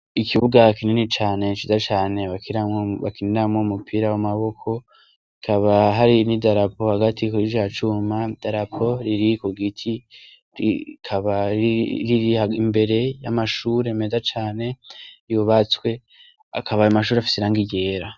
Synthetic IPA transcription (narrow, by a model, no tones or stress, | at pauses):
ikʰiβuɡakininit͡ʃaːne̞t͡ʃizat͡ʃaːne̞βakiaoβa̰kineɾamŋoumupʰiːɾawamaβo̞kʰo̞ | ikʰaβaɦaɾinidaɾapo̞haɡatʰikuɾid͡ʒat͡ʃumad̥aɾapʰo̞ɾiɾikoɡitʰi | ḭkʰaβaɾiɾihaimbe̞ɾe̞jamaʃuːɾe̞me̞ːzat͡ʃaːne̞ijuβat͡swe̞ | a̰kʰaβaamaʃ̬uːɾeafi̥seɾaːŋɡiɟe̞ːɾa